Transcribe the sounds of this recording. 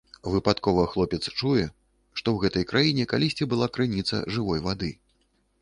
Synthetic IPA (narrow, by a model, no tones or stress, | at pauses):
vɨpat̪kɔvɐxlˠɔpʲɛt̪st͡ʂujɛ | ʂt̪ɔwɣɛt̪ɐjkɾʔajinʲɛkalʲisʲt͡sʲibɨlˠakɾɨnʲit̪sɐ̰ʐɨvɔjvad̪ɨ